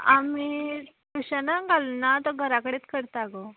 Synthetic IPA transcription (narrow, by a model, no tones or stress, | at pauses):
ami | t̪uɕanaɡʱalnat̪ɔɡʱəɾakəɽet͡s̪kəɾt̪aɡo